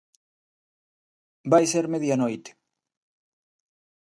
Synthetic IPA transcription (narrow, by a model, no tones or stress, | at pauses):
bajseɾmeðjanojt̪e̥